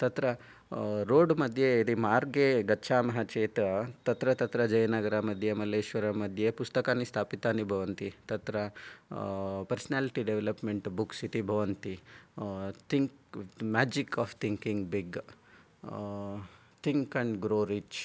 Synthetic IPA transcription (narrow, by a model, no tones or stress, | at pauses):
t̪ɐt̪ɾɐ | ɾoːɖmɐd̪ʱjeid̪imaːɾɡeɡɐːt͡ʃʰaːmɐɦɐt͡ʃeːt̪ɐt̪ɐt̪ɾɐt̪ɐt̪ɾɐd͡ʒɐjɐnaɡɐɾɐmɐd̪ʱjemɐleːʃʋɐɾɐmɐd̪ʱjepust̪ɐkaːnist̪ʰaːpit̪aːnibʱɐʋɐnt̪it̪ɐt̪ɾɐ | pɐɾsɐnaːliʈiɖeʋelɐpmeɳʈbuksit̪ibʱɐʋɐnt̪i | t̪ʰiŋkmaːd͡ʒikaːft̪ʰiŋkiŋɡbiɡ | t̪ʰiŋkɐɳɖɡɾoːɾit͡ʃ